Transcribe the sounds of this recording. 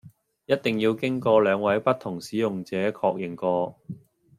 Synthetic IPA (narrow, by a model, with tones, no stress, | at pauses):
jɐ˥t̚t̪ɪ˨˩ŋjiː˧wkɪ˥ŋkɔː˧lœː˨˧ŋwɐ˨˥jpɐ˥t̪ʰːʊ˨˩ŋsiː˨˥jʊ˨ŋt͡sɛː˨˥kʰɔː˧k̚jɪ˨˩ŋkɔː˧